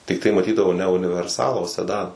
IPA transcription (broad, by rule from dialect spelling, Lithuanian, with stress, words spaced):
tʲɪkˈtɐɪ mɐˈtʲiːdɐʋɐʊ nʲɛ ʊnʲɪʋʲɛrˈsɑːlˠɑː oː sʲɛˈdɑːnɐ